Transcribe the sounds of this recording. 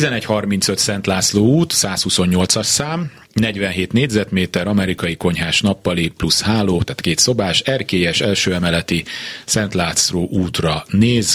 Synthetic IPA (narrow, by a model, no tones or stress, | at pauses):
t̪izɛnɛchɒrmint̪søt̪sɛnt̪laːt̪sloːuːt̪saːshuso̞ɲɲo̞lt̪sɒʃsaːm | nɛɟʋɛnɦeːt̪neːɟʲzɛt̪meːt̪ɛɾɒmɛɾikɒjiko̞ɲɦaːʃnɒpːɒliplushaːloːt̪aːt̪keːt̪so̞baːʃɛrkeːjɛʃɛlʃøːɛmɛlɛt̪isɛnt̪laːt̪sloːʔuːt̪rɒneːz